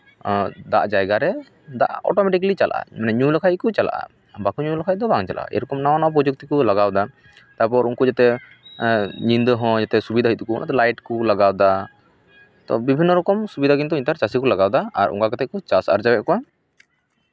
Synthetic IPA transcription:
d̪a̰ʔd͡ʒajɡaɾɛ | d̪a̰ʔɔ̰ʈɔmɛʈiklit͡ʃala̰ʔa̰manɛɲulakʰac̚kɔt͡ʃala̰ʔa̰ | bakuɲulakʰac̚d̪ɔbaŋt͡ʃa̰la̰ʔa̰ʔɛ̰ɾɔkɔmnawanawap̬ɾɔd͡ʒuk̚t̪ikɔlaɡawd̪a | t̪apɔɾuŋkud͡ʒat̪ɛ | ɲind̪ɔɦɔ̃d͡ʒat̪ɛsubid̪ʱaɦit̪ukɔɔ̰nʔa̰t̪ɛlajʈkɔlaɡawd̪a | t̪ɔ̰bibʱinːɔɾɔkɔmsubid̪ʱaɡint̪uiɲt̪aɾt͡ʃasikɔlaɡawd̪aa̰ɾṵŋkakat̪ɛkɔt͡ʃasa̰ɾd͡ʒabɛʔkɔwa

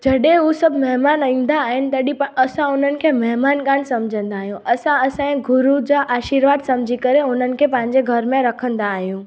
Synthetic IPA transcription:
d͡ʑɐɗẽɦusɐbʱmɛɦmaːnaĩːn̆d̪aːɦɪnɪ̆t̪ɐɗipɐsãʊn̤ənɪ̆kʰemɐɦmaːnkaːnsɐmd͡ʑʱə̃nd̪aːɦijũʔɐsãɐsãẽɡʱʊɾud͡ʑaːʔaːʃiːɾʋaːd̪sɐmd͡ʑʱikɐɾeʊnənɪ̆kʰepɐ̃ɦɪ̃ɲd͡ʑeɡʱɐɾmẽɾɐkʰə̃nd̪aːɦijũː

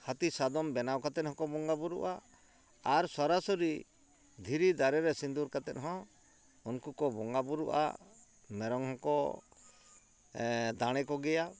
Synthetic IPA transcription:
hat̪isad̪ɔmbɛnawkat̪ɛt̪hɔ̃kɔbɔŋɡabuɾṵʔa | aɾsɔɾasɔɾi | d̪ʱiɾid̪aɾɛɾɛsind̪uɾkat̪ɛt̪̚ˀɦɔ̃ | unkukɔbɔŋɡabuɾṵʔa̰ | mɛɾɔŋhɔ̃kɔ | d̪aɽ̃ɛkɔɡɛja

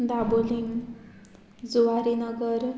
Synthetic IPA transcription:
d̪aboliŋ | d͡zuaɾinʌɡʌɾ

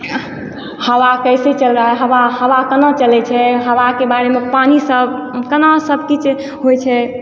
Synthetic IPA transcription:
həwakəjset͡ʃəlɾaɛɦəʋahəʋakənat͡ʃəlɛt͡ʃʰɛɦəʋakebaɾemepanisəbkənasəbʱkit͡ʃʰ | ɦojt͡ʃʰɛ

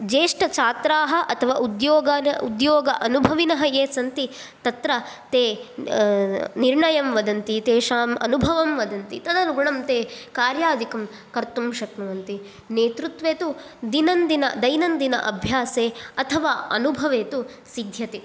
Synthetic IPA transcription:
d͡ʒeːʂʈɐt͡ʃaːt̪ɾaːɦɐʔɐt̪ʰɐʋa̰ːʔud̪joːɡɐud̪joːɡɐʔɐnubʱɐʋinɐɦɐjeːsɐnt̪i | t̪ɐt̪ɾɐt̪eː | niɾɳɐjɐmʋɐd̪ɐnt̪it̪eːʃaːmɐ̰nubʱɐʋɐmʋɐd̪ɐnt̪it̪ɐd̪ɐnɡuɳɐmt̪eːkaːɾjaːd̪ikɐm | kɐɾt̪umʃɐknɐʋɐnt̪i | neːt̪ɾut̪ʋeːt̪ud̪inɐnd̪inɐ̰d̪ɐjnɐnd̪inɐ̰ʔɐbʱjaːseːɐt̪ʰɐʋaːɐnubʱɐʋeːt̪usid̪ʱjɐt̪e

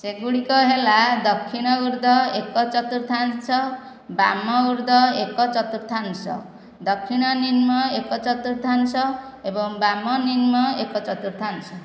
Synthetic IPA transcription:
seɡuɽikɔɦelad̪ʌkʰːiɽ̃ɔuɾd̪ɔekɔt͡ʃɔt̪uɾt̪ʰansʰʌ | ba̰mɔuɾd̪ɔekɔt͡ʃɔt̪uɾt̪ʰansʌ̰ | d̪ʌkʰːiɽ̃ʌninmɔekɔt͡ʃɔt̪uɾt̪ʰansʌebɔŋbamɔninmɔekɔt͡ʃɔt̪uɾt̪ʰansɔ

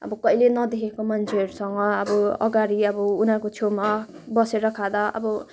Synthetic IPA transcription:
ʌ̰bʌkʌilenʌd̪ekʰekomand͡ʒʰeɾsʌŋɡʌːbɔʌ̰ɡaɾiʌbʌunakot͡ʃʰomabʌseɾʌkʰad̪ʌʌ̰bʌ

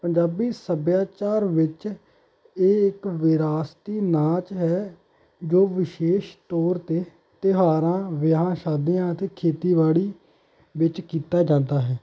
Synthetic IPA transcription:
pəɲd͡ʒaːbiːsəbjaːt͡ʃaːɾʋɪt͡ʃ | eːɪkʋɪɾaːst̪iːnaːt͡ʃɦɛː | d͡ʒoːʋɪʃeːʃt̪ɔːɾt̪eː | t̪ɪɦaːɾãːʋɪɦãːʃaːd̪ijãːət̪eːkʰeːt̪iːʋaːɭiː | ʋɪt͡ʃkiːt̪aːd͡ʒãːnd̪aːɦɛː

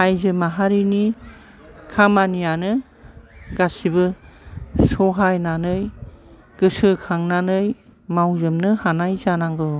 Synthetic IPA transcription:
ajzɯmaɦaɾini | kʰamanijanɯ | ɡasibɯ | sɔɦajnanɯj | ɡ̥ɯsɯkʰaŋnanɯj | mawzɯmnɯhanajzanaŋɡɯ

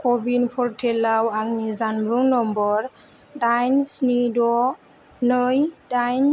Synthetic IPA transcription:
kɔbinpʰɔɹtʰɛlawaɡnizanbɯŋnɔmbɔɹ | dajnsnidɔ | nəjdajn

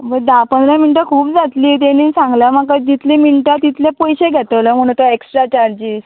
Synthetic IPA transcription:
məd̪apənd̪ɾaminʈəkʰuːpd͡zat̪liːt̪eniːsãŋɡləmakad͡ʑit̪ʰliminʈət̪it̪ʰljepɔjɕeɡʱɛt̪əʋləm̤əɽ̃ut̪oeksʈɾat͡ɕaɾd͡ʑiːz

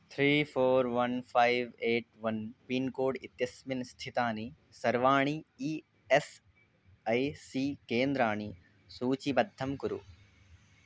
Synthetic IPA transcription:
t̪ʰɾiːfʰoːɾʋɐnfʰaːɪʋeːʈʋɐnpiːnkoːɖɪt̪jɐsmɪnst̪ʰɪt̪aːni | sɐɾʋaːɳ̃iiː | es | ɐjsiːkẽːnd̪ɾaːɽ̃i | suːt͡ɕibɐd̪ʱːɐmkʊɾṵ

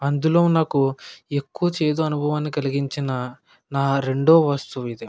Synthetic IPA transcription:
ɐnd̪ulo̞ːnaːkue̞kːuʋɐt͡ʃe̞ːd̪oɐnubʱɐʋaːnːikɐliɡiɲt͡ʃinɐ | naːɾe̞ɳɖoːʋaːst̪uʋid̪e

